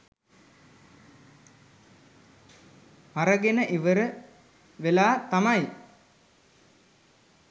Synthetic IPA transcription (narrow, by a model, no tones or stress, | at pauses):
maɾəɡenəʔiʋəɾə | ʋelaːt̪amaj